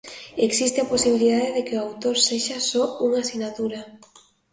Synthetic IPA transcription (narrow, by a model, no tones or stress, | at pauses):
eksist̪eaposiβ̞iliðaðeðekeʊawt̪oɾseʃasɔuŋasinat̪uɾa